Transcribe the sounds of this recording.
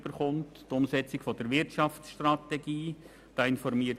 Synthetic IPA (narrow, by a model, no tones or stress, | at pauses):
b̥əɾχʊnttʊmsɛt͡sɪɡ̥fɔdəɾʋɪɾtʃɑftsʃtrɑtɛɡiː | d̥ɑːɪnfɔɾmiːə